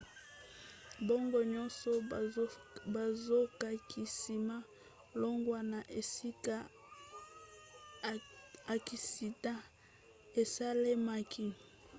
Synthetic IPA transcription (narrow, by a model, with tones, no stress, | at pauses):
bo˦ŋɡo˨ɲɔ̃˦nsɔ˦ | ba˨zo˦ka˨kʰi˨si˨ma˦ | lo˦ŋɡwa˨na˨ʔe˨si˦ka˦ | a˨ki˨si˨ta˦ | e˨sa˦le˦ma˨kʰi˦